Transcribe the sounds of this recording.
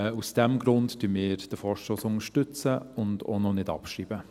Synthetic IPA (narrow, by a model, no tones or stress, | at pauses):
usd̥ɛmɡɾʊntd̥ymɪːɾd̥əfɔːɾʃtoːsʊŋəʃtʏt͡səʊndo̰nɔnɪdɑ̰pʃriːbə